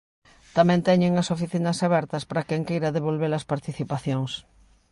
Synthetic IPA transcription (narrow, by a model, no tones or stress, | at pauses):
t̪amɛ̃nt̪ɛɲeŋɐsofiθinɐsaβɛɾt̪ɐspaɾɐkɛŋkejɾɐðeβolβelɐspaɾt̪iθipaθjoŋs